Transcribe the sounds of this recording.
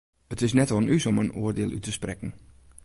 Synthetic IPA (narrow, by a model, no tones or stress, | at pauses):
ətɪsnɛtɔnysɔmənuərdɪːlˠy̰təsprɛkn̩